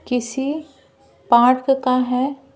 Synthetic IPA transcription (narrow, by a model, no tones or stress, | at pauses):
kɪsi | paːʈkkaɦɛ